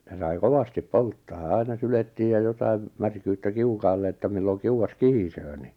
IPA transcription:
jɑ sɑi koʋɑstip poltːɑː ɑinɑ syletːiːj jɑ jotɑim mærkyːtːæ kiukɑːlːe etːæ milːoŋ kiuɑs kihisøː ni

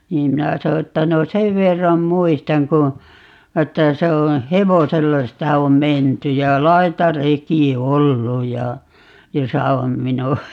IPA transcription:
niːm minæ so etːæ no seʋ ʋerːɑm muistɑŋ ku etːæ se o heʋoselːɑ sitæ om menty jɑ lɑitɑreki olːu jɑ josɑ om minuɑ

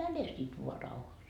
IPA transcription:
mæne sit ʋoɑ rɑuhɑs

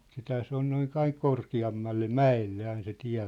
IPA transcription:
sithæː se on noin ɑiŋ korkiɑmːɑlːe mæelːe ɑin se tiæ̝

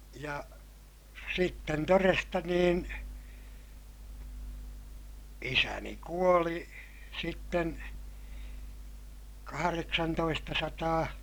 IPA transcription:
jɑ sitːen torestɑ niːn isæni kuoli sitːen kɑhɑreksɑntoistɑsɑtɑː

